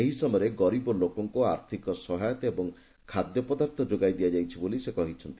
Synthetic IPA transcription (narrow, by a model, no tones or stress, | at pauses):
eɦisɔmɔjɾeɡɔɾibɔlokɔŋkuaɾt̪ʰikɔsɔɦajɔt̪ɔebɔŋ | kʰad̪jɔpɔd̪aɾt̪ʰɔd͡ʒoɡajd̪ijad͡ʒajt͡ʃʰibolisekɔɦit͡ʃʰɔnt̪i